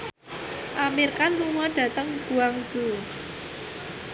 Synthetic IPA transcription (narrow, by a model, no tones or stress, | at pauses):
ʔamirkanluŋɔɖ̥ä̤t̪əŋɡ̥ṳaŋ̥d͡ʒ̥u